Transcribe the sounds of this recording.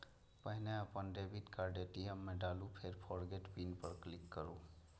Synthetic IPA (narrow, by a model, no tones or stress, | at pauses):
pəɦneəpənɾebiʈkaɾɖeʈiemːeɖalupʰeɾpʰɔɾɡeʈbinpəɾklikːəɾu